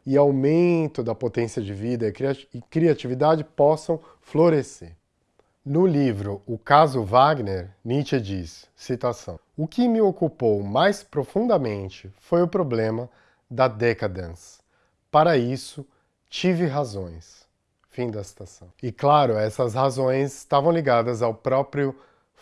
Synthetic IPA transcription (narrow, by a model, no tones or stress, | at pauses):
ɪawmẽnt̪ʊd̪ɐpot̪ẽsiɐd͡ʒɪvid̪ɐɪkɾiat͡ʃivid̪ad͡ʒɪpɔsɐ̃w̃ | floɾeseɾ | nʊlivɾʊʊkazʊvaɡneɾnit͡ʃɪd͡ʒisː | it̪asɐ̰̃w̃ʊkɪmɪokupowmajspɾofũnd̪ɐmẽnt͡ʃɪfojʊpɾoblẽmɐ | d̪ɐd̪ɛkɐd̪ɐ̃s | paɾɐisʊ | t͡ʃivɪɦazõj̃s | fĩd̪ɐsi̥t̪asɐ̃w̃ɪklaɾʊɛsɐzhazõj̃sɪst̪avɐ̃w̃liɡad̪ɐzawpɾɔpɾjʊ